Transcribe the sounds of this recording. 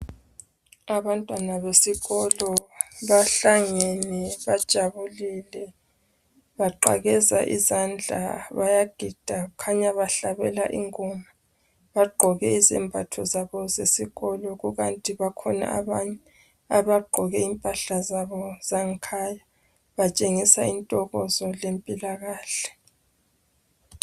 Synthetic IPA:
aβantʼwanaβesiɣɔlɔβaɬaŋɛnɛβad̥ʒ̥ʱaβulilɛ | βaǃa̰ɣɛza̰ʔḭzand͡ɮʱa̰βajaɡ̥ʱid̥ʱakʰaɲaβaɬaβɛla̰ʔḭŋɔma | βaɡ͡ǃʱɔɣɛizɛmbʱatʰɔzaβɔzesiɣɔlɔɣuɣantʼiβakʰɔna̰ʔa̰βaɲɛ | aβaɡ͡ǃʱɔɣɛimpʼaɬazaβɔzaŋkʰaja | βat͡ʃʼeŋisaintʼɔɣɔzɔlempʼilaɣaːɬɛ̥

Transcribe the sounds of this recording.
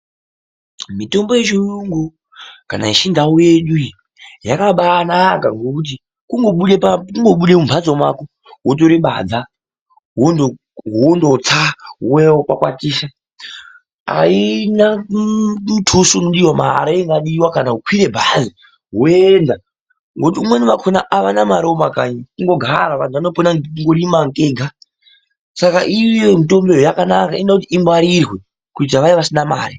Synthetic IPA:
mito̞mbojet͡ʃojuŋɡo | kana̰iʃindauje̞ɗu | jakaɓanaka̰ŋɡokut̬i | kuŋɡoɓuɗepakuŋɡo̞ɓuɗe̞mumbʰʱad͡zomwako | wot̬oɾiɓa̰d͡za | wondo | ɦondot͡sauweopakwa̰tiːʃa | a̰ina | ɗutʰusuːnoɗiwamaɦa̰ɾaeŋɡaɗiwakanaukʰwiɾe̞bʱazi | ɦuenda | ŋɡot̬iumwe̞nuʋakʰonaʔaʋanamaɾiwomakaːɲikuŋɡoɡʱaɾaʋan̤uano̞ponaiŋɡoɗimaŋkeɡʱa | sakaʔijomito̞mbe̞ɦojakanakaiendakutiimwaɾirwe̞ | kutaʋaiʋasinama̰ːri

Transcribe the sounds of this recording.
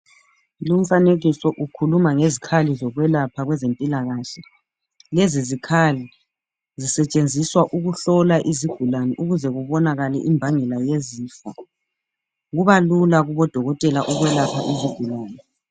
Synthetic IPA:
lum̩faneɣisɔʔukʰulumaŋezikʰalizɔɣwɛlapʰaɣwɛzempʼilaɣaːɬɛ | lezizikʰali | zisɛt͡ʃʼend͡zʱiswaʔuɣuɬɔlaʔiziɡ̥ʱulanɛʔuɣuzɛɣuβɔnaɣalɛ̰ʔimbʱaŋɛlajeziːfɔ | ɣuβalulaɣuβɔd̥ʱɔɣɔtʼɛlaʔɔɣwɛlapʰaʔiziɡ̥ʱulaːnɛ

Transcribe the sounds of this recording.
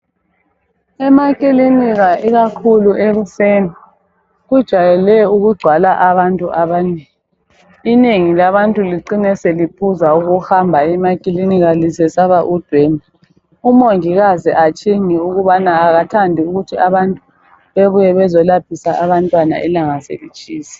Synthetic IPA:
ɛmakʼiliniɣaʔiɣakʰuluʔeɣuseni | ɣud̥ʒ̥ʱajɛlɛuɣuɡ͡ǀʱwalaʔaβantʼuʔaβaneːŋː | neŋilaβantʼuliǀinɛselipʰuzauɣuxambʱaimakʼiliniɣalisɛsaβaʔud̥ʱweni | umoŋiɣaziʔat͡ʃʼiŋiuɣuβanaːɣatʰandʱiuɣutʰiaβantʼu | βeβujɛβɛzɔlap̚ʰisaʔaβantʼwana̰ʔɛ̰laŋasḛlit͡ʃʼiːsi̥

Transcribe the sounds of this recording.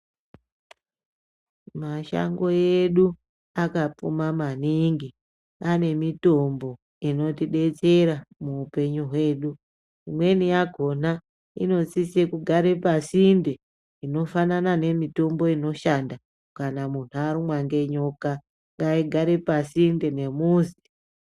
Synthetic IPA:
maʃa̰ŋɡo̞eɗu | akapṵmamaniŋɡi | ane̞mito̞mbo̞ | ino̞tiɗe̞t͡se̞ɾamuːpe̞ɲuɦwe̞ːɗu | imwe̞nijaɡʱo̞na | ḭno̞t͡sisekuɡʱaɾe̞pasinde̞ | ino̞fananane̞mito̞mbo̞ino̞ʃanda | kanamuntʰuaɾimwaŋɡeɲo̞ka | ŋɡaiɡʱaɾe̞pasinde̞ne̞muzi̥

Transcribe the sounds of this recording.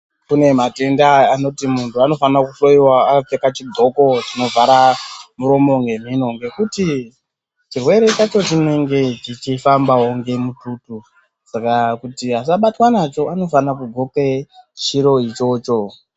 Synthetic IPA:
kune̞mate̞ndaːno̞timuntuano̞fanakuɬoiwaːap͡fekat͡ʃidʱo̞ko̞t͡ʃino̞vaɾamuɾo̞mo̞ŋɡe̞m̤ino̞ŋɡe̞kuti | t͡ʃirwe̞ɾe̞t͡ʃat͡ʃo̞t͡ʃineŋɡe̞t͡ʃit͡ʃifambawoŋɡe̞mututu | sakakutias̬aɓatwanat͡ʃo̞ano̞fanakuɡʱoket͡ʃiɾo̞it͡ʃo̞ːt͡ʃo̞

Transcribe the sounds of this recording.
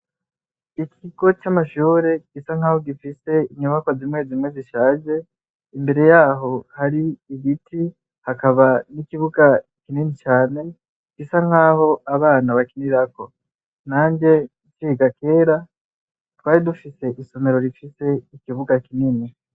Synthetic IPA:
ikʰiɡo̞t͡ʃamaʃuːɾe̞ɡ̥isaŋ̥aho̞ɡifise̞iɲuβakwozimwe̞ːzimwe̞ziʃaːʒe̞ | imbe̞ɾe̞jaːɦo̞haɾiːβiti | hakaβanikiβuɡakininit͡ʃaːne̞ | ɡ̥isaŋ̥haːho̞aβaːnaβakiniɾako̞ | naːɲɟe̞ | ciɡake̞ːɾa | twaːɾidufise̞ʔiso̞me̞ɾo̞ɾifise̞ikiβuɡakinini

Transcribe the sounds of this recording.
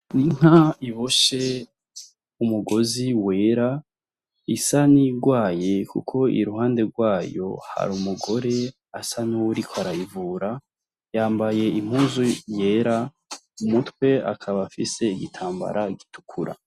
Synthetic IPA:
niŋ̥aiβoʃe | umuɡo̞ziwe̞ːɾa | isaniɡwaːje̞kṵkʰo̞ḭɾuhaːnde̞ɡwaːjo̞̰ha̰ɾumuɡo̞ɾe̞ | asaniwuɾikʰoaɾajivuːɾa | jaːmbaje̞im̥uːzuje̞ːɾa | umutkwe̞a̰kʰaβafḭse̞iɡitʰaːmba̰ɾʔaɡitʰu̥kʰuɾa̰

